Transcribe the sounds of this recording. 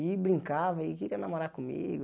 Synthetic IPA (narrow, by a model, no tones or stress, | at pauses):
ibɾĩŋkavɐikiɾiɐnamoɾakumḭɡʊ